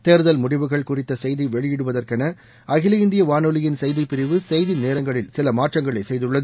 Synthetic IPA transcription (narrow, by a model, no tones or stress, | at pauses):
t̪eːɾðɐlmʊɽɪʋɯɣɐɭkʊrɪt̪ːɐsɛjðiʋɛɭɪjɪɽɯʋɐðɐrkɐnɐ | ʔɐɣɪlɐɪnd̪ɪjɐʋaːnɔlɪjɪnsɛjðipɪɾɪʋɯsɛjðineːɾɐŋɡɐɭɪlsɪlɐmaːʈrɐŋɡɐɭɐɪsɛjðɯɭːɐðɯ